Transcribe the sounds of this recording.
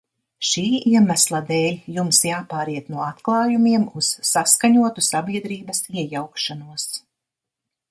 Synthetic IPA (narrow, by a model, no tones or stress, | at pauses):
ʃiːiɛmæslˠad̪ɛːlʲjumsjaːpaːɾiɛt̪nuɔat̪klˠɑːjumiɛmusːaskaɲuɔt̪usabʲiɛd̪ɾiːbɐsiɛjawkʃanuɔs